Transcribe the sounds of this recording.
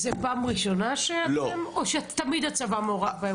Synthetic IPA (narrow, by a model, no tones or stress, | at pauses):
zepaːmʁiʃo̞naʃeomoʃet̪amid̪at͡savamooʁabae